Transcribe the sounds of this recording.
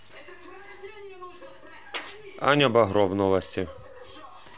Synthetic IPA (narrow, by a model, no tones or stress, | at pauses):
a̰nʲɐbɐɦɾɔʋnɔlˠɐsʲtʲi